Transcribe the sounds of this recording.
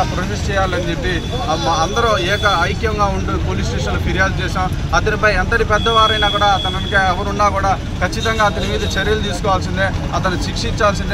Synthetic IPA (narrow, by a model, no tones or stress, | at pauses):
pɾɐmist͡ʃɛːjaːlɐnd͡ʒepːi | ɐnd̪ɐɾɐɛːkɐɐjkjɐŋɡaːuɳɖupoːliːsʈeːʂɐnloːpiɾijaːlt͡ʃɛːʂaːm | ɐt̪ɐnipɐjɐnt̪ɐɾipɛd̪ːɐʋaːɾɐjnaːkuːɽaːɐt̪ɐnɐnkeːɛʋɐɾunːaːkuːɽaː | kɐt͡ʃːit̪ɐŋɡaːɐt̪̬ɐnimiːd̪ɐt͡ʃɐɾjɐlut̪iːsu̥kɔːʋaːls̬ind̪e | ɐt̪̬ɐnuʃikʂiɲt͡ʃaːls̬ind̪